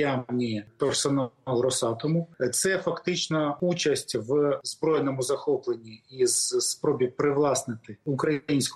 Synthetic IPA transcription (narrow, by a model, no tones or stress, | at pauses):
anʲit̪ɔrsɐnɑlˠɾɔsɑt̪ɔmʊt̪sɛfɐkt̪ɪt͡ʃnɐut͡ʃɐsʲtʲʋzbɾɔjnɔmʊzɐxɔplˠenʲːiizspɾɔbʲipɾɪʋlˠɑsnɪt̪ɪʊkɾɐjinʲsʲk